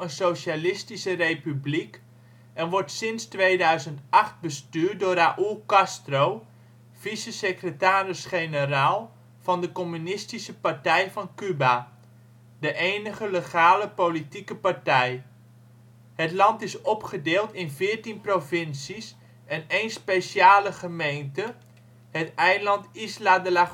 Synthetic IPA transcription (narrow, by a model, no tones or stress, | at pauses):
ənsowʃalɪstisərejpyblik | ɛnʋɔɹtsɪnstʋejdœɥzəntɑχt̚bəstyːrt̚dʊːɾaːʔukɑstrow | v̥isəsəkrətaːrɪsχejnəraːlˠ | v̥ɑndəkomynɪstisəpartɛjvɑnkyba | dəʔeːnəχələχaːləpolitikəpartɛj | hətlɑntɪsɔpχədeːlˠtɪnvɪəɹtinprovɪnsis | ɛnejnspesjaːləχəmejntə | hətɛjlɑntisladəla